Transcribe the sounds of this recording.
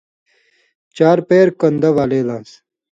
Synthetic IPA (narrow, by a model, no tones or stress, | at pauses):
t͡ɕaːɾpeːɾkɐnd̪ɐʋaːleːlãːns